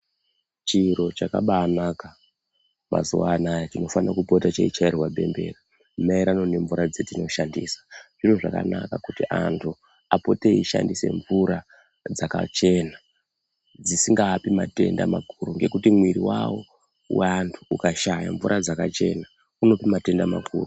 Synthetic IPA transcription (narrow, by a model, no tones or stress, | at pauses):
t͡ʃiɾo̞t͡ʃaka̰ɓaːnaka | mʔa̰zuwa̰najatino̞fanakupotat͡ʃeit͡ʃairwaɓe̞̰mbe̞̰ra | maiɾanone̞ɱvuɾad͡ze̞tino̞ʃandisḁʐ̥iroʐa̰ka̰nakakutiʔa̰ntʰu | apo̞teiʃa̰ndise̞̰ɱvuɾa | d͡zaka̰t͡ʃe̞na | d͡zisiŋɡaːpimate̞̰nda̰makʰuɾuŋɡe̞kutimwiɾiwawo̞̰ | wantʰuːkaʃaja̰ɱvuɾʔad͡zakat͡ʃe̞na | uno̞pimate̞ndama̰kʰṵːru